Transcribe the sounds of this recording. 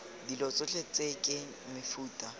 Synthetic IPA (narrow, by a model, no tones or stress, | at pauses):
dilɔt͡sʼʊt͡ɬʼet͡sʼekʼɪ | mɪfuːtʼa